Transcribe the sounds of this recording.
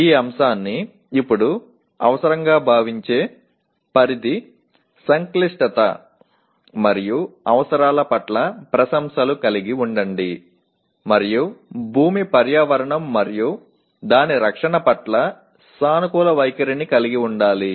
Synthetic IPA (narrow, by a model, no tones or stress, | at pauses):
iːɐmʃaːnːiː | pːuɽu | ɐ̰ʋɐsɐɾɐŋɡaːbʱaːʋiɲt͡ʃe̞ː | pɐɾid̪i | sɐŋkliʂʈɐt̪ɐ̰ | mɐɾijuɐʋɐsɐɾaːlɐpɐʈlɐpɾɐsɐmsɐlukɐliɡiuɳɖɐɳɖi | mɐɾijubʱuːmipɐɾjaːʋɐɾɐɳɐmːɐɾiju | d̪aːniɾɐkʂɐɳɐpɐʈlɐ | saːnukuːlɐʋɐjkɐɾinikɐliɡiuɳɖaːli